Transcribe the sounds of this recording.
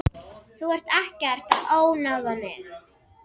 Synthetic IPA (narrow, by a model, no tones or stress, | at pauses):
θuɛr̥t̪ɛhcɛr̥t̪aðoːwnawðamɪx